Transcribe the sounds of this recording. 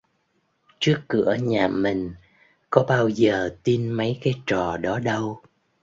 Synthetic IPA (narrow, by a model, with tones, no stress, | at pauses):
t͡ɕɨ˦˥əkːɨ˧˩˥əɲaː˨˩mï˨˩ŋ̟ | kɔ˨˦ɓaː˧wzəː˨˩t̪i˧nmə˨˦jkaː˨˦jt͡ɕɔ˨˩ɗɔ˨˦ɗə˧w